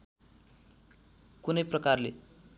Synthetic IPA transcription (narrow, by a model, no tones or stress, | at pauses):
kunʌjprʌkarlḛ